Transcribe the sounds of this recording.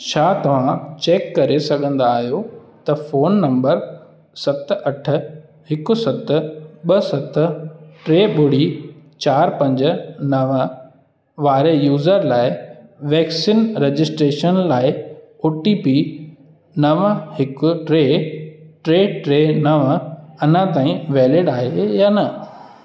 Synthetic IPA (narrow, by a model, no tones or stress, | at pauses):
t͡ɕʰaːt̪ɐʋ̤ãt͡ɕeːkːɐɾesɐɡʱə̃nd̪aːɦijo | t̪ɐfoːnːɐ̃mbəɾ | sɐt̪ʔɐʈʰʊ̆ | hɪkʊ̆sɐt̪̆ɓɐsɐt̪ʈɾeːɓʊɽ̤it͡ɕaːɾpɐ̃ɲd͡ʑ̆nɐʋ | ʋaːɾejuːzəɾlaːɪʋɛːksiːnɾed͡ʑɪsʈɾeːʃənlaːɪ | oʈipiː | nɐʋhɪkʊ̆ʈɾeːʈɾeːʈɾeːnɐʋɐnə̃t̪aːĩʋɛːlɪɖaːɦejaːnɐ